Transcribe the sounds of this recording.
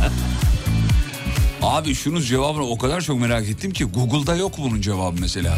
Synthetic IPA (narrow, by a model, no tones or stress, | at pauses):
aːbiʃunuzd͡ʒe̞vaːbɯnao̞kad̪aɾt͡ʃʰo̞kme̞ɾaːket̪ʰːimcʰiɡuɡɯlˠd̪ajo̞kbunund͡ʒe̞vaːbɯmese̞lʲa̰ː